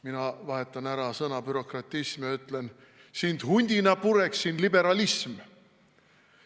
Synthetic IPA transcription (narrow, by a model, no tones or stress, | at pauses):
minɑvɑɦe̞t̪ˑːɑnæɾɑsɤnɑb̥yɾo̞krɑt̪ʲˑːismjɑyt̪ːˑlen | sind̪̥hunʲd̪̥ʲinɑpuɾe̞ksːinlibe̞ɾɑlism